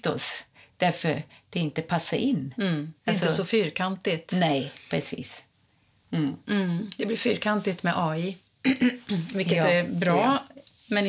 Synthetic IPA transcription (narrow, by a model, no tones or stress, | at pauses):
t̪ɔ̰sd̪̥æɾfœ̰ɾd̪̥ɛɪnt̪əpʰasːaɾʔɪnːaɪnsɔəsɔfyːɾkʰant̪ɪt̪nɛjpʰɾɛsḭːs̩ | d̪ɛblɪɾfyːɾkʰant̪ɪt̪mɛʔɑːɪ | vɪkːəæbɾɑːmɛn